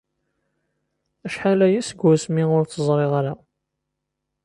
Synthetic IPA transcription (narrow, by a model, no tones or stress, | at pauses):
æʃħalæjæsəɡʷːæsmiʊɾθəzˤɾˤeʁaɾa